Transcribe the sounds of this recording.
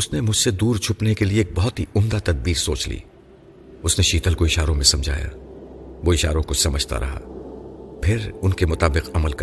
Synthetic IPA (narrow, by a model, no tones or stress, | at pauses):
ʊsnemʊd͡ʒʱsed̪uːɾt͡ʃʰʊpnekelieːk̚bɔɦʊt̪ɦiʊmd̪at̪ɐd̪̚biːɾsoːt͡ʃlḭː | ʊsneʃiːt̪əlkoɪʃaːɾõmẽsɐ̃md͡ʒʱa̰ːja̰ːʋoɪʃaːɾõkʊsɐməd͡ʒʱt̪a̰ɾɐ̰ɦa̰ː | pʰɪɾʊnkemʊt̪aːbɪqɐməlkɐ